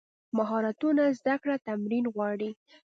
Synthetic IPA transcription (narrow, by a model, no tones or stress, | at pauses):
maɦɑɾat̪unazd̪akɽat̪amɾinɣwɑɽi